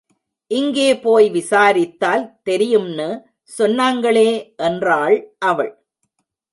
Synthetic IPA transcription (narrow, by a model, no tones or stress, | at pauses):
ʔɪŋɡeːpoːjʋɪsaːɾɪt̪ːaːlt̪ɛɾɪjɯmnɯ | sɔnːaːŋɡɐɭeːʔɛndraːɭʔɐʋɐɭ